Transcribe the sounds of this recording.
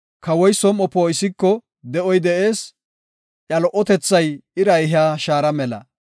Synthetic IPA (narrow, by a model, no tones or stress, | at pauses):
kɐwɔjsɔmɔpːoːɪsɪkːɔ | d̪ɛʔɔjd̪ɛʔe̞ːs | ʔjɐlɔʔɔt̪ɛt͡sːɐjɪɾɐjɦɪaːʃaːɾɐmɛlɐ̰